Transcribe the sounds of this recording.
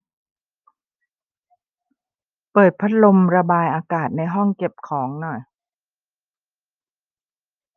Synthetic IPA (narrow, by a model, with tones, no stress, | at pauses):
pɤː˨˩t̪̚pʰa˦˥t̪̚lo˧mɾa˧baː˧jʔaː˧kaː˨˩t̪̚na˧jɦɔ˥˩ŋke˨˩p̚kʰɔː˩˦ŋnɔ˨˩j